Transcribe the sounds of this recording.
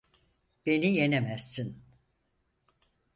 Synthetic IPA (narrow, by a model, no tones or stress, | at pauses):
b̥e̞nijenemæsːin